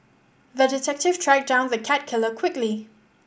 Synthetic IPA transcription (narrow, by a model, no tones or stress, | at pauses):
ðədɪtʰɛk̚tɪv̥tʰɹaɡ̚dãʊ̃nðəkʰat̚kʰɪləkʰw̥ɪkli